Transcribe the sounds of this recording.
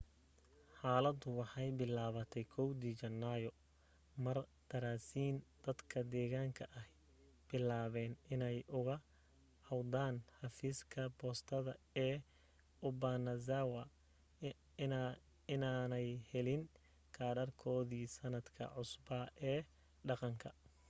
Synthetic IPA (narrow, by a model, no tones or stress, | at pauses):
ħaːlɐd̪ʊwɑħɑjbɪlaːβɐt̪ʰɛjkʰɔwd̪iːt͡ʃɐnːajɔ | mɐrt̪ʰɐɾaːsiːnd̪̥ɐd̪kʰɐd̪ɛːɣaːŋkʰɐʔɐh | b̥ɪlaːβɛːnɪnɛjʔʊɣɐ | hɐwd̪aːnħɑfiːskʰɐbɔːst̪ʰɐðɐ | ɛː | ʊbanɐzawɐ | ɪnaːnɛjhɛlɪn | kʰaːɾɐrkʰɔːðiːsɐnɐd̪kʰɐ̰ʕʊsbɐʔɛː | ɖɑqɑŋkʰɐ